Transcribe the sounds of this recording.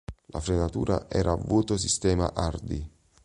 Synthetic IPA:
lʔafɾenat̪ṵːɾa̰ʔɛːɾʔaːvːuːt̪osist̪ɛːma̰ʔard̪i

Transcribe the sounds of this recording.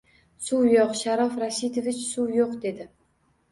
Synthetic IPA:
suwjoqʃaɾɒfɾaʃit̪ovɪt͡ʃsuwjoqd̪e̞d̪ɪ

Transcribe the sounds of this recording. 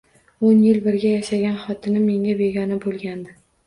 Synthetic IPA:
onjɪlbɪɾɡʲajaʃaɡʲanχɒt̪ʰɪnɪme̞ŋʲabe̞ɡʲɒnɪbolˠɡʲand̪ɪ

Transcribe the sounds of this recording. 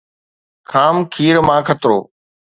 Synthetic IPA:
kʰaːmkʰiːɾmãːkʰət̪ɾo̰ː

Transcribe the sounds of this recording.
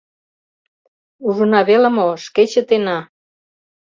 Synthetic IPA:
uʒə̆nɑβeləmoʃket͡ɕə̆t̪enɑ

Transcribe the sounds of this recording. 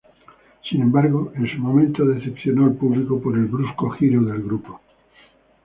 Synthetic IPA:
sinẽmbaɾɣoensumõmẽnt̪oðe̞θepθjonoelpuβlikopoɾe̞lβɾuskoxiɾoðe̞lɣɾupo

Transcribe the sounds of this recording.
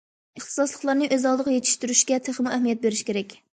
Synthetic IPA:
əχt̪ʰɨ̥sɑslˠəχlˠɑɾnɨʔøzɑlˠd̪əʁjet̪ʰi̥ʃt̪yɾyʃɡʲɛt̪ʰeχmuɛɦmijɛt̪̚beɾɪʃkʲeɾɛkʲ

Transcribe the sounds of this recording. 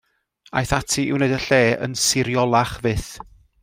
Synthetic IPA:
a̰jθatʰiʔɪ̰wneɨdəɬeːʔə̰nsɪɾjɔlˠaχvɨθ

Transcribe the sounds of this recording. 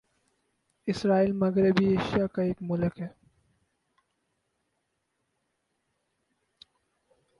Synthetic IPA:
ɪsɾaːiːlmɐɡɾɪbieːʃijakaeːkmʊlkɦɛː

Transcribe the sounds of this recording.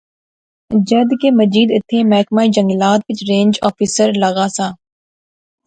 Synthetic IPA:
d͡ʒəd̪keːməd͡ʒiːd̪ɪt̪ʰːeːmɛɦkmaːid͡ʒə̃ŋɡlaːt̪̚pɪt͡ʃɾẽːɲd͡ʒɔːfisəɾləɣaːsaː

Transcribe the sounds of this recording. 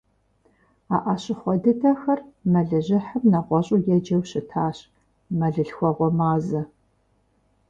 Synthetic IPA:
aːʔɐɕɪχʷɔdɨtʰɐxɐrmɐɮɨʑɪħəmnɐʁʷɔɕʼʊjɛd͡ʒɐwɕɪtʰaːɕ | mɐɮɨɬxʷɔʁʷɔmaːzɐ

